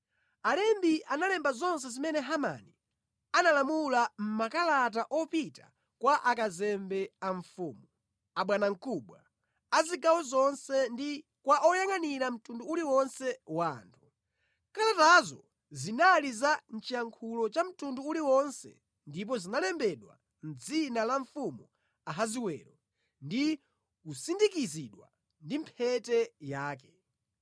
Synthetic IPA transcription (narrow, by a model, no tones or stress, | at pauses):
alɛmbiʔanalɛmbazɔns̬ɛzimɛnɛɦama̰ni | analamulam̩makalat̬aʔɔpita̰ | kwaʔakazɛmbɛaɱ̩fuːmu | aɓwanaŋ̩kuɓwa | aziɡawɔzɔnsɛndi | kwaʔɔjaŋaniɾam̩tunduːliwɔnsɛwaːntʰu̥ | kaɾatazɔ̰ | zinalizan̩t͡ʃijaŋkʰulɔt͡ʃam̩tunduːliwɔnsɛ̰ | ndip̬ɔzinalɛmbɛɗwa̰ | n̩d͡zinalaɱfumu | aɦaziwɛ̰ːɾɔ | ndi | usindikiziɗwa̰ | ndim̩pʰɛtɛjaːkɛ̥